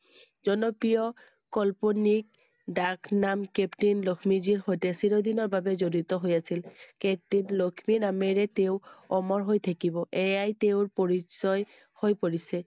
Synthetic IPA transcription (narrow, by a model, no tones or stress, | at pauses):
zɔnɔpijɔ | kɔlponik̚ | daknamkeptinlokʰmiziɹxojtɛsiɹod̪inɔɹbabɛzoɹit̪ɔɦojasilkep̚tinlokʰmiɹnamɛɹɛteʊɔmɔɹɦojt̪ʰakibɔʔɛjajt̪eʊɹpoɹisɔj | hojpoɹisɛ